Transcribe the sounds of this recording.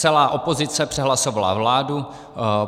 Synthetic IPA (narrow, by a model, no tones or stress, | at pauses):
ɛlaːʔo̞po̞zɪt͡sɛpr̝̥ɛɦlasovala̰vlaːdu